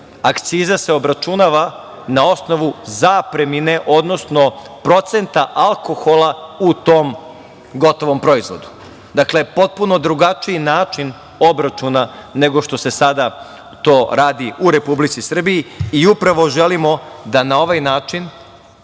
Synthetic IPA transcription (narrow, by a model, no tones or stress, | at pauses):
akt̪siːzase̞o̞bɾat͡ʃunaʋa | nao̞sno̞ʋuzaːpɾe̞mine̞ʔo̞d̪no̞sno̞ | pɾo̞t̪se̞nt̪aʔalˠko̞xo̞laut̪oːm | ɡo̞t̪o̞ʋo̞mpɾo̞izʋo̞̰d̪u̥ | d̪akle̞po̞t̪̚puno̞d̪ɾuɡat͡ʃiinaːt͡ʃin | obɾat͡ʃunane̞ɡo̞ʃt̪o̞se̞sad̪a | t̪oːɾaːd̪iuɾe̞publit̪sisr̩bijːiupɾaʋo̞ʒelimo̞d̪anao̞ʋajnaːt͡ʃin